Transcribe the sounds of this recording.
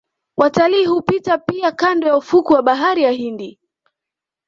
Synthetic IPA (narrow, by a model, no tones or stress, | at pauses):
wʔataliːhupitapiakandɔjaufukuwaɓaɦaɾijaɦindi